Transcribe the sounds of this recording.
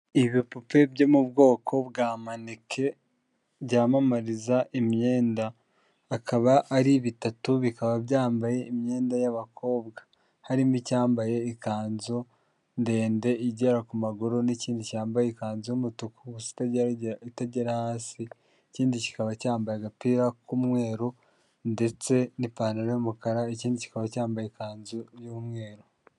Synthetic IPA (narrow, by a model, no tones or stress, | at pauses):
iβipupe̞bɟo̞mubɡo̞ːkʰo̞bɡaːmanikʰe̞ | bɟaːmamaɾizaʔimɲe̞ːndaː | kaβaʔːɾiβitatuβikaβabjaːmbaje̞imɲe̞ːndajaβakʰo̞ːbɡa | haɾimicaːmbaje̞ikaːnzo̞ | nde̞ːnde̞iɟeɾakumaɡoɾoniciːndicaːmbajekaːnzoumutukuɡusi̥t | taɟeɾahaːsi | iciːndici̥kaβacaːmbajeɡapiɾakumŋe̞ːɾo | nde̞t͡se̞nipaːnaɾemukaɾaiciːndici̥kaβacaːmbajekaːnzojumŋe̞ːɾo